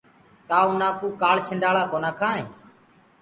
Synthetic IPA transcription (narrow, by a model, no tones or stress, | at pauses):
k̪aːuːnaːkuːkaːlt͡ʃʰəɳɖaːɭaːkoːnaːkʰaːɦẽː